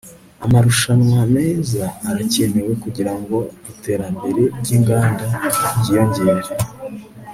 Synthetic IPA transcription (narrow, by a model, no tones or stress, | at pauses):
a̰maɾuʃanwame̞ːzaːɾaceme̞we̞kuɟiɾaŋɡo̞ite̞ːɾambe̞ɾe̞ɾɟiːŋɡaːndaɟijoɲɟeɾje